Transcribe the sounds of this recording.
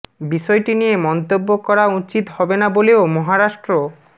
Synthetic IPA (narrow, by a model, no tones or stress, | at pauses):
biʃɔeʈiniemɔnt̪obːokɔɾaut͡ɕit̪hɔbenaboleomɔɦaɾaʃʈɾo